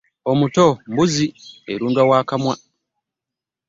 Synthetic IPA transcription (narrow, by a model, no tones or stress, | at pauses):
omutombuzieɾuːŋɡawaːkamwa